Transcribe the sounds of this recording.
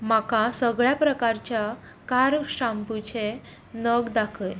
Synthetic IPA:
makasəɡɭjapɾəkaɾt͡ɕja | kaɾʂamput͡ɕʰe | nəɡd̪akʰəj

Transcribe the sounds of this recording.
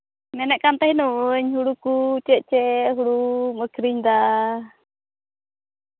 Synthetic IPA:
mɛnɛʔkant̪aɦinuɲɦuɽukut͡ʃɛʔ̚t͡ʃɛɦuɽuməkʰɾiɲd̪a

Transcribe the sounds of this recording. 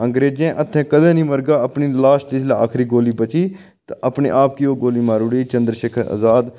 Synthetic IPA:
əŋɡɾeːd͡ʒẽːʔət̪ʰːɛ̃ːkəd̪ẽːnĩːməɾɡaːəpniːlaːst̪ɪlaːaːkʰɾiːɡoːliːbət͡ʃiː | t̪əpnḛːʔaːp̚kiːoːɡoːliːmaːɾuɽiːt͡ʃənd̪ɾʃeːkʰəɾə̰zaːd̪

